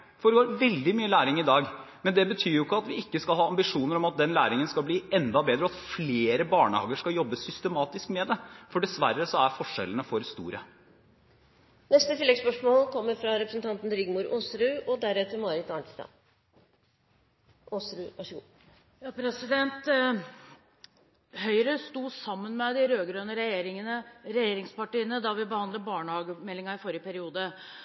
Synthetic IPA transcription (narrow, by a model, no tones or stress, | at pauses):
fɔɾɡoːɾʋɛld̪ɪmyːəlæːɾɪŋɪd̪ɑːɡ | mɛnd̪ɛbət̪ʰyːɾjʊɪkːəɑt̪ʋɪɪkːəskɑlhɑːɑmbɪʂuːnəɾɔmɑt̪̚d̪ɛnlæ̰ːɾɪŋənskɑlbliːɛnd̪ɑbeːd̪ɾɔɑt̪fleːɾəbɑːɳə̰hɑ̰ːɡəʂkɑljɔbːəsʏst̪əmɑːt̪ɪskmɛd̪ɛfɔɖɛsʋæɾːəsɔæɾfɔʂɛ̰lːənəfɔɾst̪ṵːɾə | nɛst̪ət̪ɪlːɛɡspœʂmoːlkʰɔmːəɾfɾɑɾɛpɾəsnt̪ɑnt̪n̩ɾʏɡmuːɾoːsɾʉːɔd̪æɾɛt̪əɾmɑːɾɪt̪ɑɳʈ̪ɪ̥d̪ɑ̰ː | oːsɾʉːʋɑʂɡuː | jɑːpʰɾɛsɪd̪ɛnt̪ | hœʏɾəst̪uːsɑmːənmɛd̪ɪɾøːɡɾøːnəɾɛjeːɾɪŋənəɾɛjeːɾɪŋspɑʈiːənəd̪ɑʋɪbəhɑnd̪ləbɑːɳəhɑːɡəmɛlːɪŋɑɾɪfɔɾjəpʰæɾɪuːd̪ə